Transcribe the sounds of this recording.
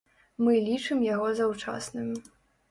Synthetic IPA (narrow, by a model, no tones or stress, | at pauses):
mɨlʲit͡ʂɨmjaɣɔzawt͡ʂa̰snɨmʲ